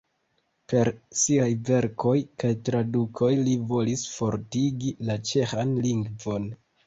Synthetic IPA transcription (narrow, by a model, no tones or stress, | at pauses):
pe̞ɾsiajve̞ɾko̞jkajtɾadukʰo̞jlivo̞lisfo̞ɾtiɡilat͡ʃe̞xanliŋɡvo̞n